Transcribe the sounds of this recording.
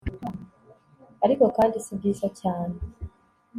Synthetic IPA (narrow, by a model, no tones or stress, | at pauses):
aɾiko̞kaːndisibɡiːzacaːne